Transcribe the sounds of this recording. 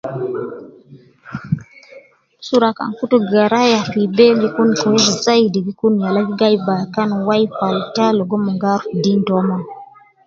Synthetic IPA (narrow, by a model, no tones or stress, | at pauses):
suɾaka̰ŋkutoɡaɾajapibeɡikunkɔezzaidiɡikunjalaɡiɡajbakanwajpaltaloɡomɔŋɡaɾdindɔma